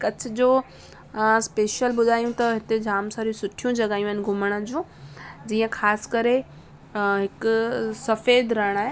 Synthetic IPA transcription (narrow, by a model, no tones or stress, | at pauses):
ɪkɐt͡ɕʰʊ̆d͡ʑoː | speːʃəlɓʊd̪ʱaːjũt̪ɐɦɪt̪ed͡ʑʱaːmsaːɾjũsʊʈʰijũd͡ʑɐɡaːjũaɪnɪ̆ɡʱʊməɽ̃əd͡ʑũd͡ʑiːə̃xʰaːskɐɾe | ɦɪksɐfeːd̪ʱɾɐɪɽ̃aːɦe